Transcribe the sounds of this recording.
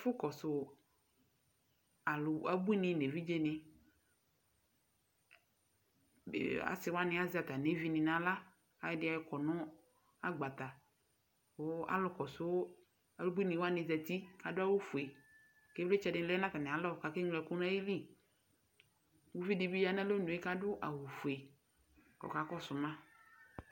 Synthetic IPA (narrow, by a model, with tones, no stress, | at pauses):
fʊ˦kɔ˨sʊ˨ | a˨lʊ˨a˨bu˦i˦nɪ̃˨ne˨vi˦d͡ʒe˦nɪ̃˨ | a̰˨sɪ˨wo˦a˦nɪ̃˨˦a˦zɪ˦a˨t̪a˨ne˦vi˦nɪ̃˨nã˨la˦ | a˨jdɪ˨˦a˨jɪ˨˦kɔ˨nɔ̃˦ | a˦ɡ͡ba˨t̪a˨ | wo˦a̰˦lɔ˨kɔ˨sʊ˦ | a˦lu˦ɡ͡bi˦nĩ˨wa˦nɪ̃˨zɛ˨t̪i˦ka˨dʊ˦a˦wu˦fu˨e˨ | ke˦le˦t͡ʃɛ˨dɪ̃˨˦lɛ˦nã˦ka˨nɪ̃˨a˨lɔ˦˨ka˨ke˦ŋlɛ˨ku˦nã˦ji˦li˦˨ | wo˦vi˦di˨bi˦ja˦nã˦lo˦nũ˨˦e˦ka˦dʊ˦ʔa̰˨wu˨fu˨e˨ | kɔ̰˨ka˨˦kɔ˦sʊ˨mã˦